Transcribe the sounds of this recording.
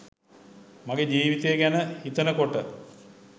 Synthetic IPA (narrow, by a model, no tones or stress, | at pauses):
maɡed͡ʑiːʋit̪ejːɡænəhit̪ənəkoʈə